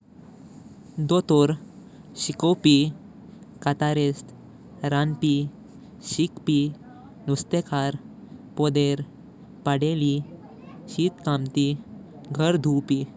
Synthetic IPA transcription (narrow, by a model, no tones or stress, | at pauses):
d̪ot̪oɾ | ɕikɔwpi | kat̪aɾest̪ | ɾanpi | ɕikpi | nust̪ekʰaɾ | pɔd̪eɾ | paɽeli | ɕit̪kamt̪i | ɡʱəɾd̪ʱuwpi